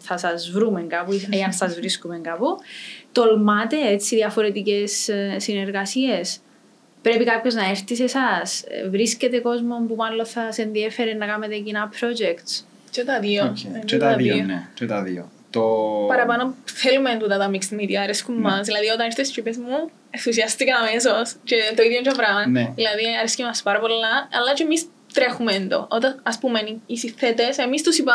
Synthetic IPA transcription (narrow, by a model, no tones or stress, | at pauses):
θɐsɐzvɾumeŋɡapueɐnsɐzvɾiskumeŋɡaput̪o̞lmɐt̪e̞et͡sːiðiɐfo̞ɾe̞t̪ice̞sːine̞ɾɣɐsies | pɾe̞pikɐpço̞znɐeɾθise̞sɐsvɾisce̞t̪e̞ko̞zmo̞mpumɐlːo̞θɐse̞nðie̞feɾenːɐkɐmet̪e̞cinɐpɾo̞d͡ʒekt̪s | t͡ʃet̪ɐðiooet̪ɐðioonet͡ʃet̪ɐðḭo̰ | t̪opɐɾɐpɐnoθelument̪ut̪ɐt̪ɐmiksmit̪iɐːɾeskumːɐsðilɐðiot̪ɐnist̪est̪ɾipezmu | eθusiɐst̪ikɐːmesost͡ʃet̪oiðjoɲd͡ʒovɾɐɐnnðilɐðiɐɾescemɐspɐɾɐpolːɐɐlːɐt͡ʃeːmis | t̪ɾexumend̪o̰ʔot̪ɐɐspumeniisiet̪ese̞mist̪usipɐ